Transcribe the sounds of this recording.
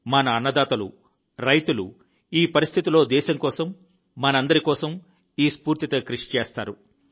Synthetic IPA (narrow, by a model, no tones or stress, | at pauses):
mɐnɐːnːɐd̪aːt̪ɐlṵ | ɾɐjt̪ulṵ | iːpɐɾist̪ʰit̪ilo̞ːd̪ɛːʃɐŋkɔːsɐmː | ɐnɐɐnd̪ɐɾikɔːsɐm | iːspuːɾt̪it̪ɐkɾiʂi̥t͡ʃɛːst̪aːɾu